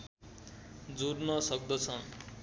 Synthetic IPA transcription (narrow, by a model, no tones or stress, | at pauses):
d͡zornʌsʌk̚d̪ʌt͡sʰʌn